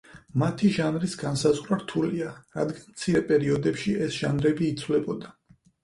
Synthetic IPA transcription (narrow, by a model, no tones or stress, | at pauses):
mat̪ʰiʒanɾisɡansazʁɾaɾt̪ʰuliaɾa̰d̪ɡanmt̪sʰiɾɛpʼɛɾiɔd̪ɛpʃiɛsʒ̥a̰nɾɛbiːt̪sʰvlɛbɔd̪a